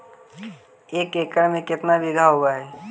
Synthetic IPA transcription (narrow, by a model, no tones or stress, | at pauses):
eːkeːkəɽmẽkɪt̪nabɪd̪ʱaɦoːɡaɦɛː